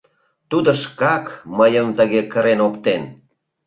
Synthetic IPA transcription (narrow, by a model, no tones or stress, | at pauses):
t̪ud̪oʃkɑkməjəmt̪əɣekəɾenokt̪en